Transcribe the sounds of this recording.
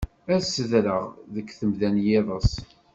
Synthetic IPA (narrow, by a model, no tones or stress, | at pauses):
æsːəðɾəʁðəkːθəmðænjɪðˤəs